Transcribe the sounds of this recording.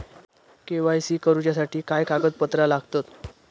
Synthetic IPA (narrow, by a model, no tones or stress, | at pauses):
keʋajsiːkəɾut͡ɕjasaʈiːkajkaɡət̪̚pət̪ɾalaɡʱt̪ət̪